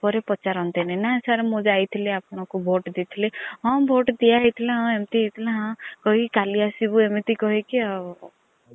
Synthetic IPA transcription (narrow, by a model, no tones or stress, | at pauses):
pɔɾepɔt͡ʃaɾɔ̃nt̪inanaesaɾemõd͡ʒajt̪ʰileapɽ̃ɔ̃kubʱoʈd̪it̪ʰileɦɔ̃bʱoʈd̪ijaɦit̪ʰilẽɦɔ̃emt̪iit̪ʰileɦɔ̃kɔɦikikaliasibuemit̪ikɔɦikiɔ